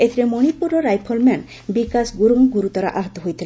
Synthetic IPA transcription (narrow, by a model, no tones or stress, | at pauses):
et̪ʰiɾemoñipuɾoɾajpʰolmɛn | bikasɡuɾuŋɡuɾut̪ɔɾa̰ʔaɦɔt̪oɦojt̪ʰil